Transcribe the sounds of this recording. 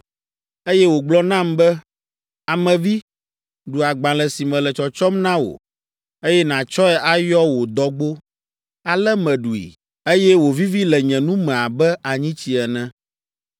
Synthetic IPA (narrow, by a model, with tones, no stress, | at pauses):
e˦jɛ˦wo˨ɡ͡blɔ˦nã˦mbɛ˦ | a˨mɛ̃˨vi˦ | ɖu˨a˨ɡ͡bã˨lɛ˨si˨mɛ̃˨lɛ˨t͡ʃɔ˨t͡ʃɔ˦mnã˦wo̰˨ | e˦jɛ˦nã˨t͡ʃɔ˦ɛ˨ʔa˦jɔ˦wo˨d̪ɔ˦ɡ͡bo˦ | a˨lɛ˦mɛ̃˨ɖu˨ḭ˨ | e˦jɛ˦wo˨vi˦vi˦lɛ˨ɲɛ̃˨nũ˦mɛ̃˨a˨bɛ˦a˨ɲĩ˦t͡ɕi˨ɛ˨nɛ̃˦